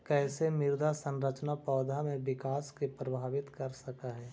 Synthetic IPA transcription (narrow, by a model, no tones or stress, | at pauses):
kɛːsemɪɾd̪ʱasə̃nɾət͡ʃnapɔːd̪ʱamẽʋɪkaːskepɾɐbʱaːʋɪt̪kɐɾsɐkaɦɛː